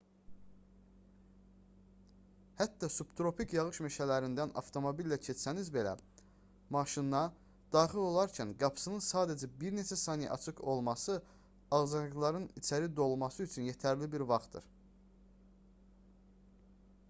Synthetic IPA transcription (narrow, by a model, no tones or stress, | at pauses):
hæt̪ːɑsupt̪ɾo̞pʰikjɑʁɯʃmeʃælæɾind̪ænɑ̰ft̪ʰo̞mo̞bilːæcʰet͡ʃsænizbe̞læ̰ | mɑʃinːɑ | d̪̥ɑːχilo̞lˠɑɾcʰænɡɑpʰsɯnɯnsɑːd̪æd͡ʒæbiɾne̞t͡ʃʰæsɑːnij̰ʔɑ̰t͡ʃʰɯkʰo̞lˠmɑsɯ | ɑʁzɑɡlˠɑɾɯnit͡ʃʰæɾid̪o̞lˠmɑsɯyt͡ʃʰynjet̪ʰæɾlibiɾvɑχt̪̚d̪ɯ̰ɾ̥